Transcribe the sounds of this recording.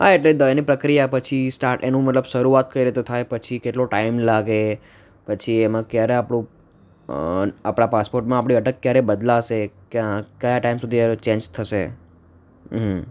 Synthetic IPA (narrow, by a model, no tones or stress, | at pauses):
ɦa̰eʈled̪əenipɾəkɾijapət͡ʃʰisʈaɾʈenũmət̪ləbʃəɾuat̪̚kəiɾet̪et̪ʰajpət͡ʃʰikeʈloʈaimlaɡe | pət͡ʃʰiemãkjaɾeapɽũ | apɽ̃apaspoɾʈmãapɽ̃iəʈəkːjaɾebəd̪laʃekjãkəjaʈaimsud̪ʱiet͡ʃẽɲd͡ʒt̪ʰəʃe | ɦ